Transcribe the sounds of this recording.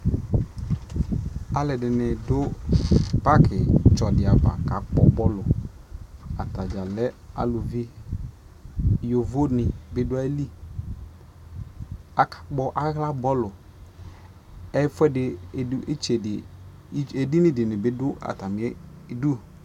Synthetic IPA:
a˨lɛ˨dɪ˨nɪ˨dʊ˦ | pa˦kʰɪ˨t͡ʃɔ˨dɪ˨a˨ba̰˨ka˨k͡pɔ˦bɔ˦lʊ˨ | a˨ta˨d͡ʒa˨lɛ˦a̰˨lʊ˨vi˦ | jo˨vo˦nɪ˨bɪ˦dʊ˦a˦li˦ | a˨kḁ˨k͡pɔ˦ʔa˦ɣla˦bɔ˦lʊ˨ | ɛ˦fʊ˦ɛ˦dɪ˨˦e˦t͡ʃe˨dɪ˨˦ | e˨di˦nɪ˦dɪ˨nɪ˨bɪ˦dʊ˦a̰˨ta˨mɪ˨˦ɛ˦ | du˦

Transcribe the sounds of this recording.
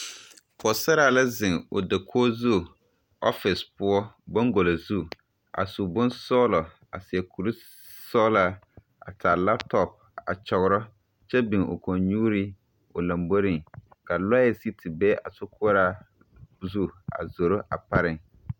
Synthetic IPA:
kɔ˨sa˦ɾaː˨la˦zɪ˨ŋʊ˨da˨kʰoː˦zu˦˨ | ɔ̰˦fɪ˨spʊ˦ɔ˦bɔ˦ŋɡo˨la˨zu˦ | a̰˨su˨bʊ˦nsɔː˦lɔ˨ | a˨sɪ˨ɛ˨kʰu˨lu˦ | sɔ˦la˦ | a̰˨ta˨la˦ptɔ˨p̚ | a˨t͡ʃɔ˨ɣʊ˦ɾɔ˦ | t͡ʃɛ˦bɪ˨ŋo̰˨ko˨nɲuː˦ɾi˦ | ʊ˨la˨mbo˦ɾɪ˨ŋka˨lɔ˦ɛ˨si˦tʰi˨bɛ˦ʔa˨sʊ˦kʊ˦ɾa˦ | zu˦˨a̰˨zo˨ɾo˦ʔa˨pa˦ɾɪ˦ŋ

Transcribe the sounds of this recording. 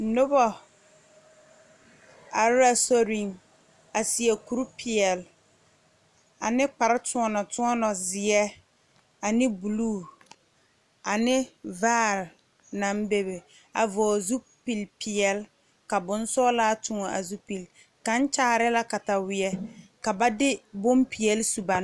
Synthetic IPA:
no˦bɔ˨ | a˨ɾa˦so˦ɾĩ˨ŋ | a˨si˨ɛ˨ku˦ɾpʰɪ˨ɛ˨l | a˨nɪ˦k͡pa˨ɾɪ˦tʊ˦ɔ˦nɔ˨tʊ˦ɔ˦nɔ˨zɪ˨ɛ˦ | a˨nɪ˦bu˨luː˦˨ | a˨nɪ˦vaː˦˨ɾ | na˨˦m˦be˦be˨ | a̰˨vɔː˨zu˦ | pi˨lpɪ˨ɛ˨l | ka˨bʊ˨n˦sɔː˦laː˦tʊ˨ŋɔ˨a̰˨zu˦pi˨l | ka˨˦n˦t͡ʃaː˦˨ɾɪ˦la˦ka˨ta˨wɪ˨ɛ˦ka˨ba˦dɪ˦bʊ˦mpi˨ɛ˨lsu˨ba˨n˦

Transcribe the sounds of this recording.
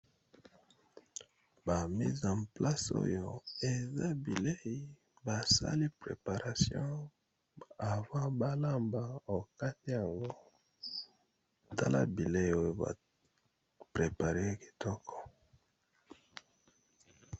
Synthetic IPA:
ba˨mi˦zã˨pla˦so̰˦jo˨e˨za˦bi˨le˦i˨ | ba˨sa̰˦li˦pʁḛ˨pa˨ʁa˨sjɔ̰̃˦ | a˨vã˦ba˦la˦mba˨o˨ka˦ti˦ja˨ŋɡo˦˨ | ta˦la̰˦bi˨le˦i˦o˦jo˦ba̰˨ | pʁe˨pa˨ʁe˦ki̥˨tʰɔ˦kʰɔ̥˨

